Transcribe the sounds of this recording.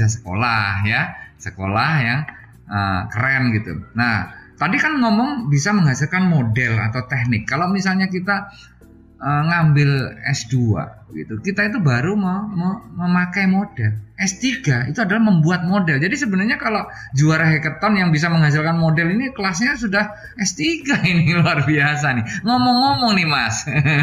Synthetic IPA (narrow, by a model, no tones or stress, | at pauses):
asə̥ko̰lahjasəko̰lahjaŋ | ʔə̰kəɾɛnɡit̪ṵnaht̪adikanŋɔmɔŋbisaməŋɦasɪlkanmodɛla̰t̪awt̪ɛhnɪkːalomisalɲakit̪a | ʔəŋambɪlɛ̰sdua̰ɡḭt̪ukit̪ait̪̬ubaɾumamaməmakajmodɛlʔɛst̪iɡait̪uadalahməmbuat̪̚modɛld͡ʒadisəbənarɲakalo | d͡ʒuaɾɦekət̪ɔnjaŋbis̬aməŋɦas̬ɪlkanmodɛlinikəlasɲasudah | ʔɛst̪iɡainɪluarbias̬anɪŋɔmɔŋːɔmɔŋnɪmas